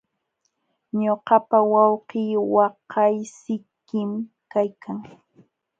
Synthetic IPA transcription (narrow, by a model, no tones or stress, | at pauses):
ɲoqɑpawɑwqiːwɑqʰɑjsɪkːɪm | kajkaŋ